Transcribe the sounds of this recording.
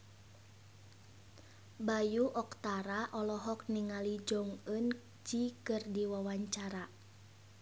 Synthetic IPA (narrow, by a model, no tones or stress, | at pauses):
bajuʔɔkt̪aɾaʔɔlɔɦɔk̚niŋalid͡ʒɔŋən | d͡ʒikɨrdiwawaɲt͡ʃaɾa